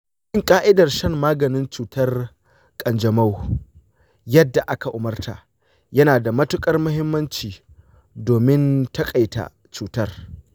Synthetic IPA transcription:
ʔɪ˦ŋkʼaː˦ʔɪ˦dɐ˨rʃɐ˦˨mːaː˦ɡɐ˨nɪ˦nt͡ʃuː˨tɐ˦r | kʼɐ˨nd͡ʒɐ˨ma˦w | jɐ˦dːa˨ʔa˦ka˨ʔʊ˨mɐ˦rtʰa̰˨ʔ | jɐ˦naː˨da˨mɐ˦tʊ˦kʼɐ˦rmʊ˦hɪ˦mːɐ˦nt͡ʃiː˨ | doː˨mɪ˦ntɐ˦kʼa˨jta̰˨ | t͡ʃuː˨tɐ˦r

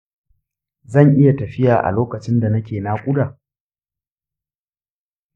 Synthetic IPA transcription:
zɐ˦˨ŋʔɪ˦ja˨tɐ˨ɸɪ˦jaː˨ʔa̰˨loː˦kɐ˨t͡ʃɪ˦nda˨nɐ˦kʲeː˨na˦kʷʼʊ˦daː˨

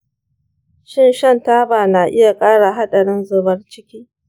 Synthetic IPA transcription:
ʃɪ˦nʃɐ˦˨ntaː˦baː˨naː˨ʔɪ˦ja˨kʼaː˦ɽa˨ɦa˦ɗɐ˨ɽɪ˦nzʊ˨bɐ˦rt͡ʃɪ˦kʲiː˦

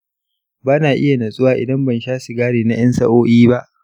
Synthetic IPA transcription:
baː˦naː˨ʔɪ˦ja˨nɐ˨sʼʊ˦waː˨ʔɪ̰˨dɐ˦mbɐ˨nʃaː˦su˨ɡaː˦ɽeː˨na˦j̰ɐ˦nsɐ̰˦ʔoː˦ʔiː˦ba˦ʔ

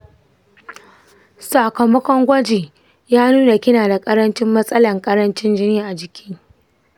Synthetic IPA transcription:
sa˨kɐ˨mɐ˦kʷɔ˦ŋɡʷɐ˦d͡ʒeː˨ | jaː˦nuː˦na˨kʲɪ˦naː˨da˨kʼɐ˦ɾɐ˦nt͡ʃɪ˦mːɐ˦sʼɐ˦lɐ˨ŋkʼɐ˦ɾɐ˦nt͡ʃɪ˦nd͡ʒɪ˦niː˦ʔa˨d͡ʒɪ˨kʲɪ˦ŋ

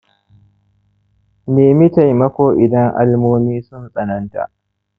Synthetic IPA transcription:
meː˨mɪ˦ta˨jmɐ˦kʷoː˦ʔɪ˨dɐ˦ŋʔa̰˦lmoː˦miː˦sʊ˦nsʼɐ˨nɐ˦nta̰˨ʔ

